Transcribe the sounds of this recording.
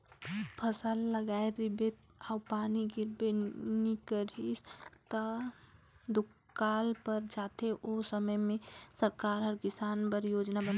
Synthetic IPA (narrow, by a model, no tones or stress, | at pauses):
pʰəsəlːəɡaeɾibet̪ | awpaniɡiɾbenikəɾist̪ə | d̪u | kalpəɾd͡ʒat̪ʰeʔosəməjmẽsəɾkaɾɦəɾkɪsaːnpəɾjod͡ʒnabən